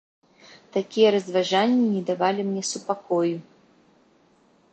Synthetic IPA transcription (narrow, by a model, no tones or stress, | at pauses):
t̪akʲijɐɾɐzvaʐanʲːinʲɛd̪avalʲimnʲɛsupakɔju